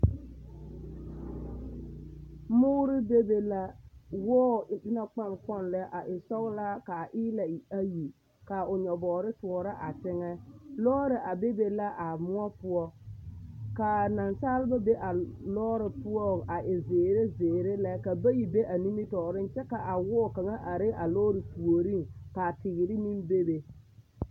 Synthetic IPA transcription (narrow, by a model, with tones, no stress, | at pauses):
mʊː˦ɾɪ˦be˦be˨la˦wɔː˦dɪ˦na˨k͡pa˦˨nkɔ˦nlɛ˦ʔa˨ʔɪ˨sɔ˦ɣla˦ka˨ʔɪ˦la˨a˦ji˨ | ka˨ʊ˨ɲɔ˨bɔː˨ɾɪ˦tu˨ɔ˨ɾɪ˦ʔa˨tɪ˦ŋɛ˦lɔː˦ɾɪ˨ʔa˨be˦be˨la˦ʔa˨mʊ˦ɔ˦pʊ˦ɔ˦ | ka˨na˨nsaː˦lɪ˦ba˦be˦ʔa˨lɔː˦ɾɪ˨pʊ˦ɔ˦a˨ʔɪ˨zeː˨ɾe˦zeː˨ɾe˦lɛ˦ka˨ba˦ji˨be˦ʔa˨ni˦mi˦tɔː˨ɾɪ˦n˦t͡ʃɛ˦ka˨ʔa˨wɔː˦˨ka˨ŋa˦ʔa˨ɾɪ˦a˨lɔː˦ɾɪ˨pu˨o˨ɾi˦ŋka˨tɪ˨ɣɪ˨ɾɪ˦ni˦mbe˦be˨